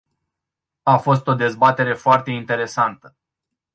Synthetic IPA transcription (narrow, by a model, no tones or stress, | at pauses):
afo̞s̬t̪o̞d̪e̞zbat̪e̞ɾe̞foart̪e̞int̪e̞ɾe̞sant̪ə̥